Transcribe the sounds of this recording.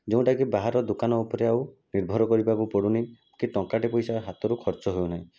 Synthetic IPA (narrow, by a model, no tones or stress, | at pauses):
d͡ʒeũʈakibaɦaɾɔd̪ukanɔupɔɾeawniɾbʱɔɾɔkɔɾibakupɔɽunimũkiʈɔ̃ŋkaʈepɔjsaɦat̪ɔɾukʰɔɾt͡ʃɔɦewnaɦĩ